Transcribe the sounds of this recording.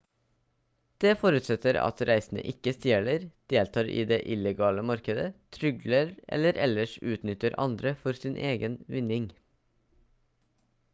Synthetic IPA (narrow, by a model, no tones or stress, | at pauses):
d̪̥eːfɔɾʉt̪sɛt̪əɾɑ̰t̪ɾæɪsn̩ə̰ʔɪkəst̪eːɭəɾd̪̥eːlt̪ʰɑːɾḭːd̪eːʔɪləɡɑːləmɑɾkəd̪ət̪ʰɾʏɡləɾʔɛ̰ləɾʔɛləʃʉːt̪nʏt̪əɾʔɑ̰nd̪ɾəfɔɾsiːnʔeːɡənʋɪnɪŋ